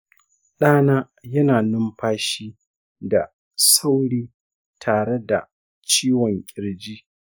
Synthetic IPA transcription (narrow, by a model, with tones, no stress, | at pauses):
ɗaː˦naː˦ | jɐ˦naː˨nʊ˦mɸaː˦ʃiː˦ | da˨ | sa˦wɽiː˦ | tʰaː˨ɽe˦da˨ | t͡ʃiː˦wɔ˨ŋkʲʼɪ˨ɽd͡ʒiː˦